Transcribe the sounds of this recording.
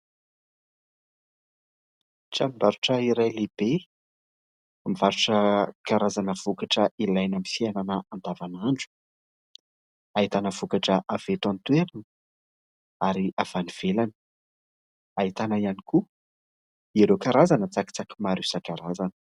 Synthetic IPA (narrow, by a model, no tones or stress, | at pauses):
ʈ͡ʂaniɳbaɾuʈ͡ʂəiɾajleb̥e | mivaɾuʈ͡ʂəkkaɾazanəv̥ukaʈ͡ʂəilajnamifiananəand̪avanaɳɖ͡ʐu̥ | ait̪anəv̥ukaʈ͡ʂəʔav̥et̪ant̪weɾanə | aɾiʔav̥aniv̥elani̥ | ait̪anaianiku | iɾekaɾazanət͡saki̥t͡saki̥maɾusakaɾazanə̥